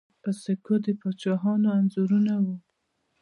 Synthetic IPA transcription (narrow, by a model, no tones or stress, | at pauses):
əsekod̪əpɑt͡ʃɑɦɑnoanzuɾunawu